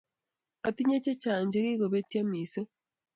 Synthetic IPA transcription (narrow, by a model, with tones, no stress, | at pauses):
a˨ti˦ɲe˦t͡ʃe˦t͡ʃaː˨ɲɟe˦ɣi˦ɣo˨βe˦tja˦mi˨se˦